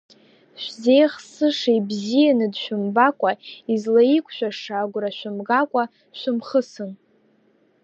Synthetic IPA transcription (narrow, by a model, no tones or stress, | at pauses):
ʃʷᶣze̞jχsɨʂejbzijanɨdʃᶣʊmbakʷʼaizlaikʷʰʼʃᶣaʂaːɡʷraʃᶣʊmɡakʷʼa | ʃʷᶣʊmχəsɨn